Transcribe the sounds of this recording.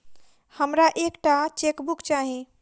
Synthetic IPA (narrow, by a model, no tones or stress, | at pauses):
həmɾaʔekʈat͡ʃekbukt͡ʃaɦi